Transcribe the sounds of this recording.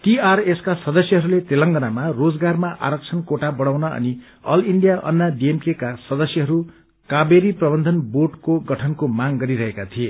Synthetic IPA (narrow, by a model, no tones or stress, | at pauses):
t̪iareskasʌd̪ʌsjʌɦʌɾulet̪elʌŋɡʌnamarod͡zɡarmaʔa̰ɾʌk̚t͡sʰʌnkoʈabʌɽawnʌʌ̰ni | ʌ̰liɳɖijaʔʌ̰nːaɖiemkekasʌd̪ʌsjʌɦʌɾu | kabeɾiprʌbʌnd̪ʱʌnboʈkoɡʌʈʰʌnkomaŋɡʌɾiɾʌɦekat̪ʰie